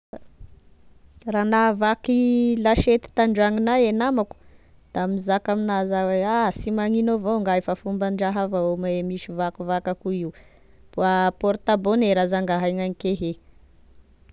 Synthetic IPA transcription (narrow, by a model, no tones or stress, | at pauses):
ranavakilaʃet̪i̥t̪aɳɖ͡ʐaŋinaenamaku̥ | d̪̥amizakaminazaweasimaŋinovoŋɡaefafumbaɳɖ͡ʐaɦavaomemiʃivakuvakakuiw | puapoɾt̪aboneɾazaŋɡaɦajŋanikeɦe